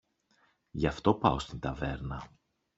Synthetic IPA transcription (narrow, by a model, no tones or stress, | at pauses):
ʝɐft̪o̞pɐo̞st̪int̪ɐve̞ɾnɐ